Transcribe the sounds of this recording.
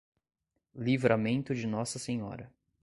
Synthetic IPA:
livɾʔamẽnt̪ʊd͡ʒɪnɔsɐseɲɔ̰ɾɐ

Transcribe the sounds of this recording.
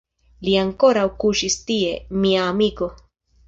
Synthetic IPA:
liaŋko̞ɾawkuʃist̪ie̞miaːmiko̞

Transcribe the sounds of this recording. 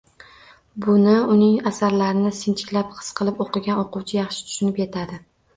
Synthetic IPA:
bʊnɪʊnɪŋasaɾlaɾɪnɪsɪnt͡ʃʰɪ̥kʲlapqʰɨ̥sqʰɨlˠɪpoqʰɨɡʲanoqʊwt͡ʃʰɪjɑχʃɪ̥t̪ʰʊ̥ʃʊnɪpje̞t̪ʰad̪ɪ

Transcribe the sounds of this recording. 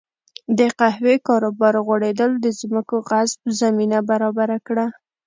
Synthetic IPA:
d̪əqahwekɑɾobɑɾɣwaɽed̪əld̪əzməkoɣazb̚zaminabaɾɑbaɾakɽa

